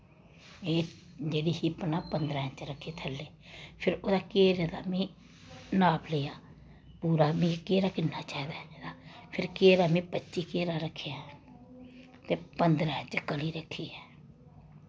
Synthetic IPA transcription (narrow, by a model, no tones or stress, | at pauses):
eː | d͡ʒeːɽiːhipːnaːpənd̪ɾaːɦt͡ʃɾəkʰːeːt̪ʰəlːeːpʰɪɾoːd̪aːkeːɾed̪aːmĩː | naːplejaː | puːɾaːmĩːkeːɾaːkɪnːaːt͡ʃaːiːd̪aed̪aːpʰɪɾkeːɾaːmĩːpətːʃiːkeːɾaːɾəkʰːea | t̪eːpənd̪ɾaːə̃t͡ʃkəliːɾəkʰːiːɛː